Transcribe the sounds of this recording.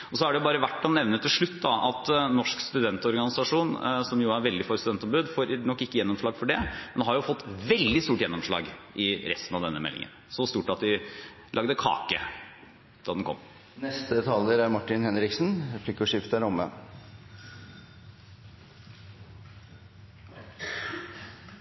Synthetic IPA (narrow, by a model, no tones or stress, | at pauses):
ɔsɔæɖɛjʊbɑːɾəʋæʈːɑnɛʋnət̪ʰːɪlʂɭʉt̪ːd̪ɑɑt̪nɔʂkst̪ʉd̪ɛnt̪ɔɾɡɑnɪsɑʂuːnsɔmjʊæɾʋɛld̪ɪfɔɾst̪ʉd̪ɛnt̪ɔmbʉd̪foːɾnɔkːɪkːəjɛnːɔmʂɭɑːɡfɔɖɛmɛnɦɑɾjʊfɔt̪ːʋɛld̪ɪst̪uːʈjɛnːɔmʂɭɑ̰ːɡʔɪɾɛst̪nɑʋd̪ɛnːəmɛ̰lːɪ̰ŋə̰nsɔst̪uːʈɑt̪d̪ɪ | lɑɡd̪əkʰɑ̰ːkə̰ | d̪̥ɑːd̪ɛnkʰɔ̰mː | nɛst̪ət̪ʰɑləɾæɾmɑʈːɪnhɛnɾɪksnɾɛpʰliːkɔʂɪft̪əɾɔmːə̰